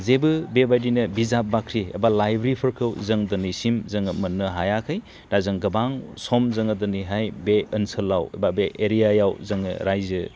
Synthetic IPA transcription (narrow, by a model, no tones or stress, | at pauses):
zebɯbebajdinɯbizap̚bakʰɾiḛbalajbɾipʰɯɾkʰɯwzɐŋdɯnisimzɐŋɯmɐnːɯɦajakʰɯj | dazɯŋɡɐbaŋsɔmzɐŋɯdɯniɦajbeɐnsɯlːaw̰babeʔeɾijajawzɐŋɯ̰ɾajzɯ